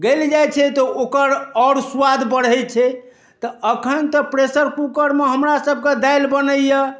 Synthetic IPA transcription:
ɡeld͡ʒajt͡ʃʰɛt̪ɔokəɾɔɾswad̪bəɽɛt͡ʃʰɛ | t̪ɔəkʰənt̪ɔpɾesəɾkukəɾmeɦəmɾasəb̚ʱked̪ajlbənəjə

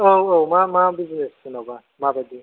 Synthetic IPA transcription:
oowmamabizinɛskunaba | mabade

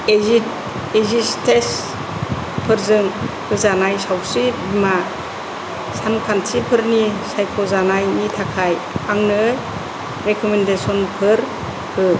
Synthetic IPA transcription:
ei | ezistes | pʰɯɾzɯŋpʰɯzanajsawsibima | sankʰantʰipʰɯɾnisajkʰɔzanajnitʰakʰaj | aŋnɯ | ɾekʰɔmendesɔnpʰɯɾ | pʰɯ

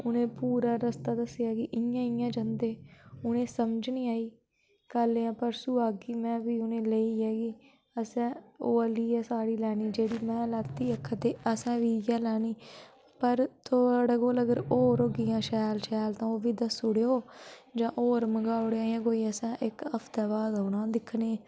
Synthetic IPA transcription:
ʊnẽːpuːɾaːɾəst̪aːd̪əsjaːkɪʔɪjãːɪjãːd͡ʒə̃nd̪eːʊnẽːsəmd͡ʒnĩːaːiː | kəleːãːpəɾsuːaːɡiːmɛ̃ːʋiːʊnẽːleiːɛːɡiː | əsɛ̃ːoːəliːɛːsaːɽiːlɛːniːd͡ʒeːɽiːmɛ̃ːlaːt̪ːiːəkʰːət̪eːəsɛ̃ːʋiːjãːlɛːniː | pəɾt̪ʰoɽəɡoːləɡəɾoːɾoːɡɪjãːʃɛːlʃɛːlt̪ãːoːʋiːd̪əsʊɽeːoːd͡ʒãːʔoːɾməɡaːʊɽeaːjãːkoːiːəsɛ̃ːʔɪkəpʰt̪ɛːbaːd̪ɦoːnãːd̪ɪkʰːɳeː

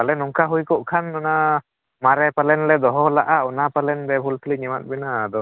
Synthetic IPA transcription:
alɛnɔŋkaɦujkɔʔkʰanɔna | maɾɛpalɛnlɛd̪ɔɦɔlaʔaɔnapalɛnbɛbʱult̪ʰiliɲɛmat̪̚ˀbinad̪ɔ

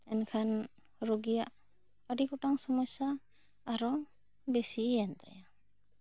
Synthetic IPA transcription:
ɛnkʰan | ɾɔɡijaʔ | aɖikɔʈaŋsɔmɔjsaː | ɾɔ | besijand̪a̰ja

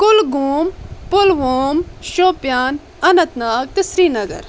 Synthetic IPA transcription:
kʊlɡuːmpʊlʋoːmʃoːpjaːn | ɐnɐt̪naːɡ̚t̪ɪsɾiːnɐɡɐ̰ɾ

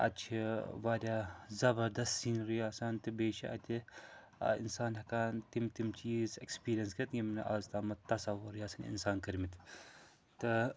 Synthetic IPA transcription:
ɐ̰t͡ʃʰiʋaːdʲaːzɐbɐɾd̪ɐsiːnɾijaːsant̪ɨbeːʃʰḭʔɐ̰t̪ʲḭ | ḭnsaːnhɐkaːnt̪imt̪imt͡ʃiːzekspiːɾijɐnskɐt̪jʲimnʔɐzt̪aːmɐt̪ːɐsɐʋɐɾijaːsɐnḭnsaːnkɐɾmit̪ʰ | t̪ɨ

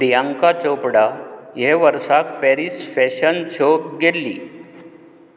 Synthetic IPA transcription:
ɾijaŋkat͡ɕopɽaɦeʋəɾsak̚pɛɾisfɛɕənt͡ɕʰokɡelːḭː

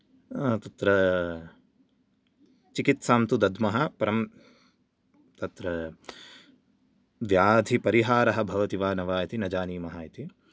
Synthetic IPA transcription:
t̪ɐt̪ɾɐ | t͡ʃikit̪saːmt̪ud̪ɐd̪ʱmɐɦɐpɐɾɐm | t̪ɐt̪ɾɐ | ʋjaːd̪ʱipɐɾiɦaːɾɐɦɐ̆bʱɐʋɐt̪iʋaːnɐʋaːjɐt̪inɐd͡ʒaːniːmɐɦaːjɐt̪i

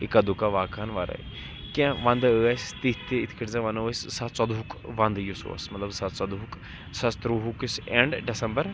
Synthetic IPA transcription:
ikad̪ukaʋaːkʰːɐnʋaːɾa̰ḭ | kãʋɐ̃nd̪əɐst̪it̪ːeit̪ʰkʰiʈzãʋɐnəssɐt̪t͡sɐd̪ʱukʋɐ̃nd̪juso̰ːɐ̰smɐt̪lɐbsɐt̪sɐd̪uk | sɐst̪ɾuɦukiseɳɖɖesɐmbəɾ

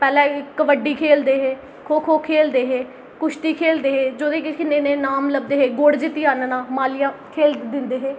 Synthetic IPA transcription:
pɛːlɛ̃ːɪkːəʋəɖːiːkʰeːld̪eːɦeː | kʰoːkʰoːkʰeːld̪eːɦeː | kʊʃt̪iːkʰeːld̪eːɦeːd͡ʒoːd̪ẽːkɪkɪneːneːnaːmləb̚d̪eːɦeːɡoɽd͡ʒɪt̪ːiːaːnnãːmaːlɪjãːkʰeːld̪ɪnd̪eːɦeː

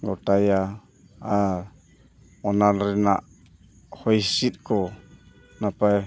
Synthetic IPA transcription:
ɡɔtaja | a | ɔnanɾɛnaʔ | hɔjsit̪̚kʰɔ | napaj

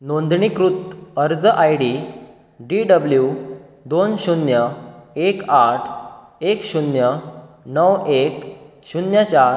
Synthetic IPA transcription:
nond̪ɳikɾut̪əɾd͡zəʔajɽi | ɖiɖəbljud̪onɕunjəekaʈʰ | ekɕunjənəwek | ɕunjat͡ɕaɾ

